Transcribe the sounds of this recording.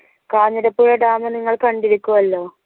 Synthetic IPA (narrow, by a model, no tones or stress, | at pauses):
kaːɲːɐɾɐpːoːɻɐɖaːmɐniŋːɐɭkɐɳɖiɾukʲːuʋɐlːo̞ː